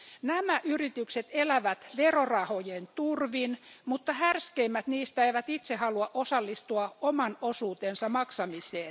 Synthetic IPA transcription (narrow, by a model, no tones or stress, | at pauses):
næmæʔyrit̪ykset̪elæʋæt̪ʋerorɑhojent̪urʋinmut̪ːɑhærskeimːæt̪niːst̪æeiʋæt̪it̪sehɑluɑʔosɑlːist̪uɑomɑnosuːt̪ensɑmɑksɑmiseː